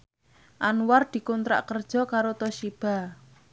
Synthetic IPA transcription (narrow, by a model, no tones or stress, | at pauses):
ʔanward̪̥i̤kunt̪ɾa̰ʔkərd̥ʒ̥ɔ̤kaɾot̪ɔʃib̥a̤